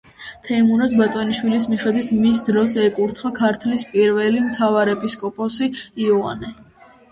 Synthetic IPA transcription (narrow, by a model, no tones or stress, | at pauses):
t̪ʰɛmunad̪bat̪ʼɔniʃwilis̬miχɛd̪wit̪ʰmis̬d̪ɾɔsɛkʼuɾt̪ʰχakʰaɾt̪ʰlispʼiɾvɛlimt̪ʰavaɾɛpʼiskʼɔpʼɔsiiɔa̰nɛ